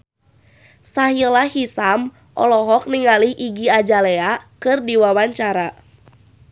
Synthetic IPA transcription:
saɦilahisam | ʔɔ̰lɔɦɔk̚niŋaliʔiɡiad͡ʒaleakɨrdiwawaɲt͡ʃaɾa

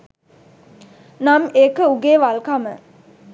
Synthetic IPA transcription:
namekəuɡeːʋalkamə

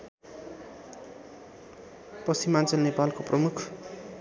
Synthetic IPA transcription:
pʌsimant͡sʌlnepalkoprʌmukʰ

